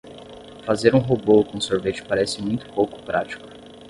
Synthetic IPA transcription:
fazeɾũɦobokõsoɾvet͡ʃɪ̥paɾɛsɪmũj̃t̪ʊ̥powkʊ̥pɾat͡ʃi̥kʊ̥

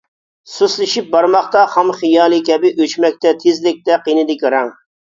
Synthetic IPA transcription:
suslɪʃip̚bɑɾmɑχt̪ɑχɑmχijɑːlˠɨkʲɛbɪʔøt͡ʃmɛk̚ʲt̪ɛt̪ʰɪzlɪk̚ʲt̪ɛqinɪd̪ɪkʲiɾɛŋ

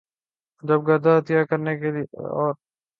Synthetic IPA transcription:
d͡ʒɐb̚ɡɐɾd̪at̪ijakɐɾnekeliɔ̰ːɾ

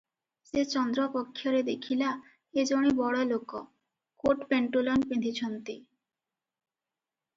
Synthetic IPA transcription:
set͡ɕɔnd̪ɾopokʰːjoɾed̪ekʰila | ed͡ʑoɽibɔɽɔloko | koʈpeɳʈolonpend̪ʱit͡ɕʰɔnt̪i

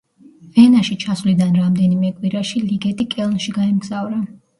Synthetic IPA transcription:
vɛnaʃit͡ʃʰasvlid̪anɾamd̪ɛnimɛkʼwiɾaʃiliɡɛt̪ʼikʼɛlˠnʃiɡaɛmɡz̥avɾa

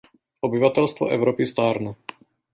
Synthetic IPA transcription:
ʔobɪvat̪ɛlst̪vo̰ʔɛvɾopɪst̪aːɾnɛ

